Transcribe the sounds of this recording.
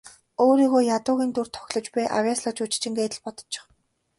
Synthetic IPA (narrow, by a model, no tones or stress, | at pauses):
oːɾiːɣoːjat̪ʊːɣʲiːnt̪urt̪ʰɔ̥xʲɮɞ̆t͡ɕpæːʔa̰wʲjaːsɮɔ̆t͡ɕut͡ɕ̆t͡ɕɪ̆ŋɡeːt̪ɘ̆ɮpɔt̪ɞ̥̆t͡ɕt͡ɕɪ̥̆χ